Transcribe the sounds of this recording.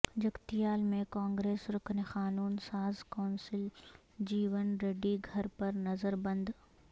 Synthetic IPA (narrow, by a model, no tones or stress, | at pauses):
d͡ʒɐɡt̪ijaːlmẽkãːŋɡɾeːsɾʊkʰənexaːnuːnsaːzkaːnsɪl | d͡ʑiːʋənɾeːɖiɡʱɐɾpɐɾnɐzəɾbɐ̃nd̪